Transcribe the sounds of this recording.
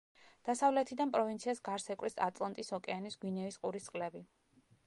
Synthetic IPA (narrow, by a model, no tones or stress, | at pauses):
d̪̥asavlɛt̪ʰid̪anpʼɾɔvint̪sʰiasɡaɾsɛkʼwɾisat̪ʼlˠant̪ʼisɔkʼɛanisɡwinɛvisqʼuɾist̪ʼqʼlɛbi